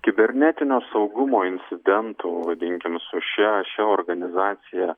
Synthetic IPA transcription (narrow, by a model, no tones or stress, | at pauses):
kʲɪbʲɛɾʲnʲæt̪ʲɪnʲoːsɐʊɡʊmoːɪnʲsʲɪd̪ʲɛnt̪ʊʋɐd̪ʲɪŋʲkʲɪmsʊʃʲɛʃʲɛoːɾɡɐnʲɪzɑːt̪sʲɪjæ